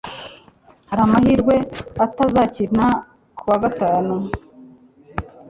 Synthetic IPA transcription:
haɾamahiɾɡwe̞atazacina | kʰuwaɡataːnu

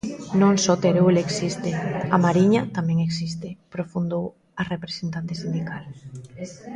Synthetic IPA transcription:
nõŋsot̪eɾuleksist̪eamaɾiɲat̪amɛ̃ŋeksist̪epɾofund̪ow | arepɾesent̪ant̪esind̪ikal

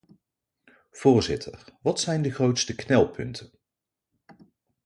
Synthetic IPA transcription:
v̥ʊːɹzɪtʰərʋɑtsɛjndəχrowtstəknɛlˠpʰɵntʰən

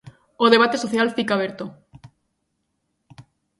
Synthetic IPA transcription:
oð̞eβ̞at̪esoθjalfikaβeɾt̪o

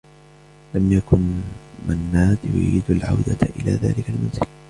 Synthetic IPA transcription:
lamjakʊnmanːaːt̪jʊ̰ʔḭːd̪alʕa̰wd̪aʔɪlaːða̰ːlɪkalmʊnzɪl

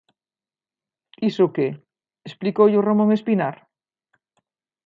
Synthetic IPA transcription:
isoke | esplikoʎoromõŋespinaɾ

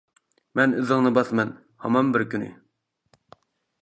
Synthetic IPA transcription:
mɛnyðɪŋnɨbɑθmɛn | hɑ̰mɑmbɪɾkʲynɪ̰

